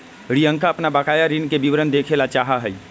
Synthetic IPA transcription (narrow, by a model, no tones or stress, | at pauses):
ɾijə̃ŋkaəpnabakaːjaɾinkebiʋɾənd̪ekʰelat͡ʃaːɦaɦəi